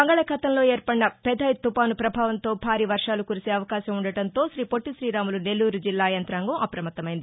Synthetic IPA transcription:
bɐŋɡɐɭɐkɐt̪ɐmlo̞ːeːɾpɐɽːɐpɛd̪ɐːjt̪ːupaːnupɾɐbʱaːʋɐnt̪o̞ːbʱaːɾiʋɐɾʂaːlukuɾise̞ːɐʋɐkaːʃɐmuɳɖɐʈɐnt̪o̞ːʃɾiːpoʈːiʃɾiːɾaːmulune̞lːuːɾud͡ʒilːaːjɐnt̪ɾaːŋɡɐmɐpɾɐmɐt̪ːɐmɐjind̪ii

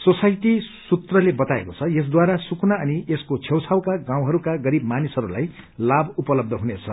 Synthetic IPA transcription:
sosajʈisut̪rʌlebʌt̪aḛkot͡sʰʌjes̬d̪waɾasukʰnaʌnieskot͡sʰewt͡sʰawkaɡãw̃ɦʌɾukaɡʌɾibmanisʌɾula̰j | labupʌlʌb̚d̪ʱʌɦunet͡sʰʌ

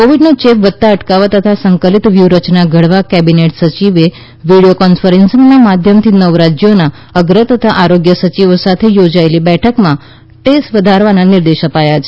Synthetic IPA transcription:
koʋiɖnot͡ʃepʋət̪ːaəʈkaʋat̪ət̪ʰasəŋkəlit̪ʋjuɾət͡ʃnaɡʱəɽʋakɛbineʈsət͡ʃiʋe | ʋiɽijokɔnfəɾensəŋɡnamad̪ʱjəmt̪ʰinəʋɾad͡ʒjona | əɡɾət̪ət̪ʰaʔaɾoɡjəsət͡ʃiʋosat̪ʰejod͡ʒaelibɛʈʰəkmã | ʈesʈʋəd̪ʱaɾʋananɪɾd̪eʃəpajat͡ʃʰe

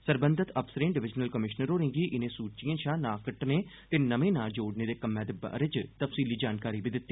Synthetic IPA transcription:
səɾbənd̪ʱət̪ʰəpsəɾẽːɖɪʋɪd͡ʒnəlkəmɪʃnəɾoːɾɪ̃ŋɡiːʔɪnẽːsuːt͡ʃijãːʃãːnaːkəʈneː | t̪eːnəmẽːnaːd͡ʒoːɖneːd̪eːkəmːɛ̃ːd̪eːba̰ːɾɪt͡ʃt̪əfsiːliːd͡ʒaːnkaːɾiːbid̪ɪt̪ːiː

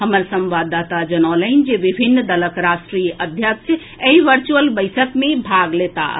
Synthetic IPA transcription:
ɦəməɾsə̃mʋad̪at̪ad͡ʒənaləɪnd͡ʒeʋibʱinːd̪ələkɾasʈɾijəʔəd̪ʱjəkt͡ʃ | eiʋəɾt͡ʃuəlbəɪsəkmebʱaɡlet̪a̰

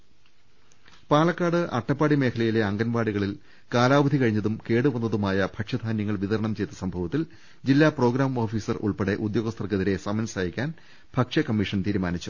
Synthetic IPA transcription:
paːɭɐkːaːɽɨʔɐ̰ʈːɐpːaːɽime̞ːkʰɐlɐjile̞ɐŋɡɐnbaːɽiɣɐɭil | kaːlaːbɐd̪ʱikɐɻiɲːɐðumke̞ːɽɨʋɐnːɐðumaːjɐbʱɐkʂɐd̪ʱaːnjɐŋːɐɭʋiðɐɾɐɳɐmt͡ɕe̞jt̪ːɐsɐmbʱɐʋɐt̪ːil | d͡ʑilːaːpro̞ːɡɾaːmo̞ːfiːsɐrṵɭpeɽe̞ʔud̪jo̞ːɣɐst̪ɐrkːeðiɾe̞sɐmɐnsaːjikʲːaːn | b̥ʱɐkʂɐkɐmːiʂɐnt̪iːɾumaːnit͡ɕːu

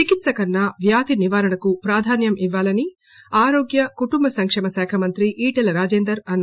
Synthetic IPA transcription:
t͡ʃikit̪sɐkɐɾnːɐʋjaːt̪iniʋaːɾɐɳɐkupɾaːd̪ʱaːnjɐmiʋːaːlɐni | aːɾoːɡjɐkuʈumbɐsɐŋkʂɛmɐsɛːkʰɐmɐnt̪ɾiʔiːʈɐlɐɾaːd͡ʒeːnd̪ɐɾɐnː

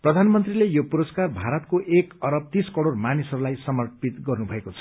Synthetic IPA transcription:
prʌd̪ʱanmʌnt̪rilejopuɾʌskarbʱaɾʌt̪koʔekʌɾʌb̚t̪iskʌɽormanisʌɾulajsʌmʌrpit̪ɡʌrnubʱʌekot͡sʰʌ̥

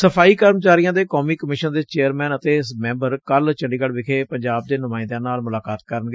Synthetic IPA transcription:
səpʰaːiːkəɾmt͡ʃaːɾijãːd̪eːkɔːmiːkəmɪʃənd̪eːt͡ʃeːəɾmɛ̃ːnət̪eːsmɛ̃ːmbəɾkəlt͡ʃəɳɖiːkəɽʋɪkʰeːpəɲd͡ʒaːb̚d̪eːnʊmaːɪ̃nd̪ãːnaːlmʊlaːkaːt̪̚kəɾənɡeː

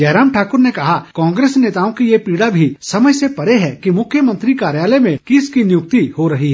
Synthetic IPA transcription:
d͡ʒɛːɾaːmʈʰaːkʊɾnekɐɦakɔ̃ːŋɡɾeːsneːt̪aːõkijepiːɽabʱisɐməjsepɐɾeɦɛkimʊkʰːjəmə̃nt̪ɾikaːɾjaːlemẽkɪskinɪjʊk̚t̪ihoɾɐɦiɦɛ

